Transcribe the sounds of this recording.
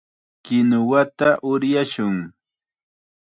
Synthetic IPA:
kɪnʊwat̪aʔʊɾjaʃʊŋ

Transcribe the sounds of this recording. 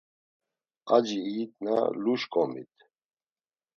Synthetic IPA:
ad͡ʒiːt̪̚ʼna̰luʃkʼɔmḭt̪ʰ

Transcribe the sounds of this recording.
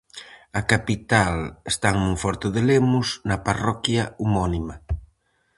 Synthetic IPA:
ɐkapit̪alest̪aŋnũŋfɔɾt̪ʊðelemʊsnɐparɔkjaumɔnima

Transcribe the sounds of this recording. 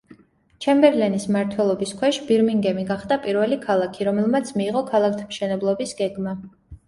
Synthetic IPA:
t͡ʃʰɛmbɛɾlɛnismaɾt̪ʰwɛlˠɔbiskʰwɛʃb̥iɾmiŋɡɛmiɡaχd̪apʼiɾvɛlikʰalˠakʰiɾɔmɛlˠmat̪sʰmiːʁɔkʰalˠak̚ʰt̪ʰmʃɛnɛblˠɔbisɡ̥ɛɡma

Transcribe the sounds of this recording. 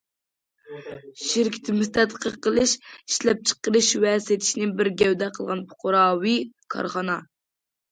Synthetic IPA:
ʃiɾkʲʰi̥t̪ʰɪmust̪ɛt̪ːəqʰːəqəlˠɨʃiʃlɛp̚t͡ʃʰə̥qːəɾɨʃwɛset̪ʰɪ̥ʃnɪbɪɾɡʲɛwd̪ɛqʰəlˠʁɑnpʰo̥qʰʊɾɑːwikʰɑ̰ɾχɑnɑ

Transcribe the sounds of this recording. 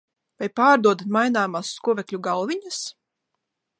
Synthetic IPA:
vajpaːɾd̪uɔd̪t̪majnaːmasːkuɔvɛkʎʲuɡalˠviɲas

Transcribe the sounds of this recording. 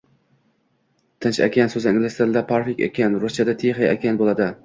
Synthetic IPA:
t̪ʰɪnt͡ʃa̰kʲʰansɵzɪiŋɡlɪst̪eld̪apʰaɾfikʲa̰kʲʰanɾost͡ʃʰad̪at̪ʰeχajakʲʰanbolˠad̪ɪ

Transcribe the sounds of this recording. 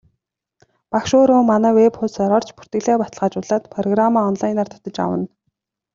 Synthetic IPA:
pakʃoːɾʊːmanæːwepχʊsɔɾɔr̥t͡ɕpu̥r̥t̪ɘ̆ɮeːpat̪ə̆ɮʁaːt͡ɕʊɮaːt̪pʰrɔɣramaːɔnɮajnaːr̥t̪ʰʊ̥t̪ɞ̆t͡ɕa̰wə̰̆n

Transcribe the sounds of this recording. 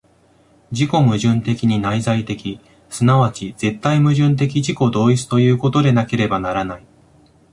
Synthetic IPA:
d͡ʑiko̞mɯ̟ʑɨ̃nt̪e̞kʲiɲ̟inaizait̪e̞kʲi | sɨnaβat͡ɕiz̥e̞t̪ːaimɯ̟ʑɨ̃nt̪̬e̞k̬ʲiʑiko̞d̪o̞ːit͡sɨ̥t̪o̞jɯ̟ːko̞t̪o̞d̪e̞nake̞ɾe̞banaɾanai

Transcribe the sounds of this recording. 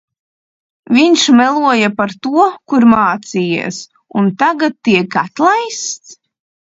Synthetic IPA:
viɲʃmɛlˠuɔjapaɾt̪uɔkuɾmaːt̪sijḭːs | unt̪aɡat̪ːiɛkat̪lˠajst̪s

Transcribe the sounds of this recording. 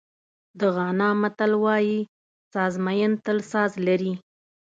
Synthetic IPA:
d̪əɣɑnɑmat̪alwɑji | sɑzmajənt̪əlsɑzlaɾi

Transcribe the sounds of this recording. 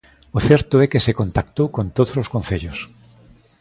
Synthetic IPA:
oθɛɾt̪ʊɛkesekont̪akt̪owkõnt̪oðososkõnθeʎʊs

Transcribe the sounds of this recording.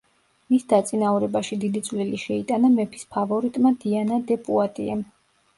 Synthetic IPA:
misd̪at̪sʼinauɾɛbaʃid̪id̪it̪sʼvliliʃɛit̪ʼanamɛpʰi̥spʰavɔɾit̪ʼmad̪ianad̪ɛpʼuat̪ʼiɛm

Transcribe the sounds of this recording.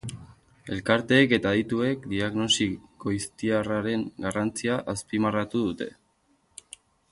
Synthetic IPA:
e̞lkaɾt̪e̞ːke̞t̪aðit̪ue̞kd̪iaɣno̞siko̞ist̪iaraɾe̞ŋɡarant͡siaʔaspimarat̪uðut̪e̞̰

